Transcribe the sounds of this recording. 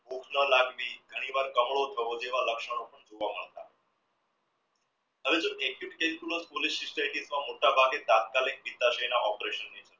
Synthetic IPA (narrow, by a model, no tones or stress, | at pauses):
bʱukʰnəlaɡʋiːɡ̪ʱəɽ̃iʋaɾkəmɭot̪ʰeʋod͡ʑeʋ̤aləkʂəɽ̃okəɳd͡zuʋam̤əɭt̪a̰ | əʋed͡zəekʰiʈkelik̪uləspolisisʈaiʈisʋamoʈʰabʱaɡet̪at̪̚kalik̚pit̪aɕejnaʔɔpɾeɕənːet͡ɕʰəɾ